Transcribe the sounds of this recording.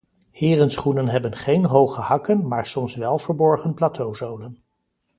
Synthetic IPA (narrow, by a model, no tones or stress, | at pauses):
hɪːrənsχunənɦɛbənχejnɦowχəhɑkənmaːɹsɔmsʋɛlˠvəɹbɔɹχənplaːtʰowzowlən